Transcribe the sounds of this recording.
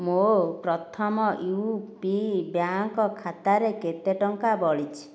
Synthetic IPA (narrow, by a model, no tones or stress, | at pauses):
mopɾɔt̪ʰɔmɔʔiwpibjaŋkɔkʰat̪aɾeket̪eʈɔŋkabɔɭit͡ʃʰi̥